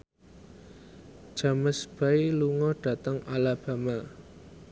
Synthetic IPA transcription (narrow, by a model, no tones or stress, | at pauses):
ʒ̥a̤məsb̥a̤iluŋɔɖ̥ä̤t̪əŋʔalab̥ä̤ma